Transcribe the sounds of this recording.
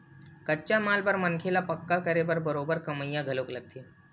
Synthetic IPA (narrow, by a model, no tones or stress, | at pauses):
kətːt͡ʃamalbəɾmənkʰelapɐkːakəɾebəɾbəɾobəɾkɐməjːãɡʱəlokləɡ̚t̪ʰe